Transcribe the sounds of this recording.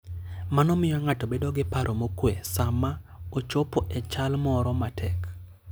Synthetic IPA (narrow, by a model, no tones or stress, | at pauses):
manɔmɪjɔŋatobedoɡɪpaɾʔomokwesama | ot͡ʃopoʔɛt͡ʃalmɔɾɔmatʰɛk